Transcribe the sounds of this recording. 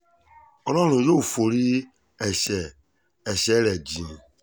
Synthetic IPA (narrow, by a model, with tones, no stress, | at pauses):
ɔ˨nɔ̃˦ɾũ˨jo˦u˨fo˨ɾi˦ | ɛ˨ʃɛ˨ | ɛ˨ʃɛ˨˦ɾɛ˨d͡ʒĩ˨ĩ˨